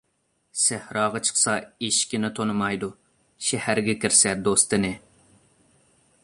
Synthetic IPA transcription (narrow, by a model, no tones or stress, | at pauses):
sæhɾɑːʁɑt͡ʃʰə̥χsɑeʃkʲɪnɪt̪ʰonɨmɑjd̪u | ʃɛhæɾɡʲɛkʲɪɾsɛd̪ost̪ɨnɨ